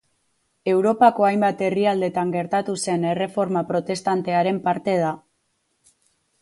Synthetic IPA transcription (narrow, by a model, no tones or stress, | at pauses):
e̞wɾo̞pako̞ajmbat̪e̞riald̪e̞t̪aŋɡe̞ɾt̪at̪use̞ne̞re̞fo̞ɾmapɾo̞t̪e̞st̪ant̪e̞aɾe̞mpaɾt̪e̞ð̞a